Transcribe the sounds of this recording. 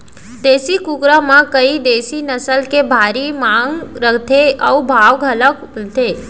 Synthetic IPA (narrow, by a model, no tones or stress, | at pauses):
d̪eːsikukɾamãkəid̪esinəsəlkebʱaɾimãŋɡɾəkt̪ʰeəubʱaʋɡʱələk | lt̪ʰe